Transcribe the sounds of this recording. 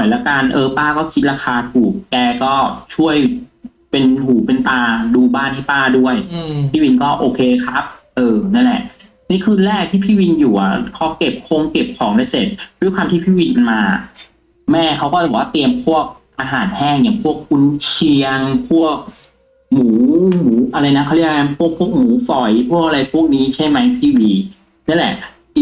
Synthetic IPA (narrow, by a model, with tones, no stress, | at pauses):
ɔ˨˩jlɛ˦˥ka˧nʔɤː˧paː˥˩kɔː˥˩kʰi˦t̪̚ɾaː˧kʰaː˧t̪ʰuː˨˩k̚kɛː˧kɔː˥˩t͡ɕʰu˥˩əj | pe˧nhuː˨˩˦pe˧nt̪aː˧duː˧baː˥˩nha˥˩jpaː˥˩du˥˩əjpʰiː˥˩wi˧nkɔː˥˩ʔoː˧kʰeː˧kʰa˦˥p̚ʔɤː˧˩na˥˩nlɛ˨˩ʔ | niː˦˥˩kʰɯː˧nɾɛː˥˩k̚t̪ʰiː˥˩pʰiː˥˩wi˧njuː˨˩a˨˩kʰɔ˦˥ke˨˩p̚kʰo˧ŋke˨˩p̚kʰɔː˩˦ŋda˥˩jse˨˩t̪̚duː˦˥˩kʰwaː˧mt̪ʰiː˥˩pʰiː˥˩wi˧nmaː˧ | mɛː˥˩kʰa˦˥wkɔː˥˩˨waː˦˥˩t̪i˧əmpʰu˥˩ək̚ | ʔaː˧ɦaː˩˦nhɛː˥˩ŋja˨˩ŋpʰu˥˩ək̚ːu˧nt͡ɕʰi˧əŋpʰu˥˩ək̚ | muː˩˦muː˩˦ʔa˧ɾa˧jna˦˥kʰa˥˩li˥˩ŋa˦˧˥npʰu˥˩ək̚pʰu˥˩ək̚muː˨˩˦fɔ˨˩jpʰu˥˩ək̚a˧ɾa˧jpʰu˥˩ək̚niː˦˥t͡ɕʰa˥˩jma˦˥jpʰiː˥˩˨wiː˧ | na˥˨lɛ̰˨˩ʔ